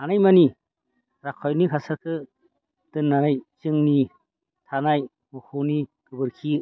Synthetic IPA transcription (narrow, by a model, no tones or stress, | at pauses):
anajmani | ɾakʰɔjnikʰasakʰɯ | d̥ɯnːaɾajt͡ʃɯŋni | tʰanaj | mukʰoniɡɯbɯɾkʰi